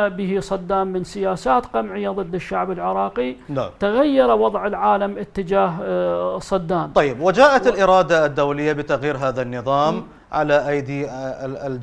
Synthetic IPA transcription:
bɪhisˤɑd̪ːaːmːɪnsɪjaːsaːt̪qamʕɪjːaðˤɨd̪ːɪʃːaʕbɪlʕɪɾˤɑːqit̪aɣajːɑɾˤwɑðˤʕɪlʕaːlamʔɪt̪ːɪd͡ʒaːɦsˤɑd̪ːaːmˤɑjːɪbwɪd͡ʒaːʔat̪ɪlʔɪɾˤɑːd̪ad̪ːowlɪjːabɪt̪aɣjiːɾɦaːðanːɨðˤɑːm | ʕa̰laʔajd̪iː

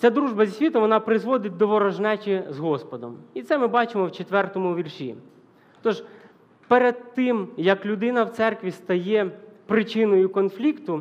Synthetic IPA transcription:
t͡sʲad̪ɾuʒbɐzʲisʲʋʲit̪ɔmʋɔnɑpɾɪzʋɔd̪ɪt̚ʲd̪ɔʋɔɾɐʒnɛt͡ʃɪzɦɔspɔd̪ɔ̰mit̪sɛmɪbɑt͡ʃɪmɔwt͡ʃet̪ʋɛrt̪ɔmʊʋʲirʃʲḭ | t̪ɔʒ | peɾed̪̚t̪ɪmjɐklʲʊd̪ɪnɐwt̪sɛrkʋʲist̪ɐjɛpɾɪt͡ʃɪnɔjʊkɔnflʲikt̪ʊ

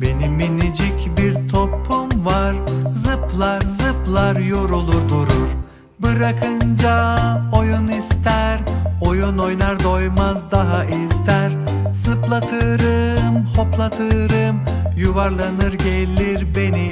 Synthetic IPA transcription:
be̞niminid͡ʒicbiɾt̪ʰo̞pʰːumvaɾzɯplˠaɾzɯplˠaɾjo̞ɾulˠuɾd̪uɾuɾ | bɯɾakʰɯnd͡ʒao̞junist̪ʰæɾo̞juno̞jnˠaɾd̪o̞jmazd̪aɦaʔizt̪æɾ | zɯplˠat̪ʰɯɾɯmho̞plˠat̪ʰɯɾɯm | juvaɾlˠanɯɾɟelʲiɾbe̞ni

